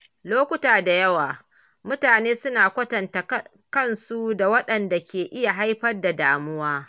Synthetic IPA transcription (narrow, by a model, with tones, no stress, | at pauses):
loː˦kʷʊ˦taː˨da˨jɐ˦waː˨ | mʊ˦taː˨neː˦sʊ˦naː˨kʷɐ˦tɐ˨nta˨ | kɐ˦˨nsu˦da˨wɐ˦ɗɐ˨nda˨kʲeː˨ʔɪ˦ja˨ɦa˦jɸɐ˦rda˨daː˨mʊ˦waː˦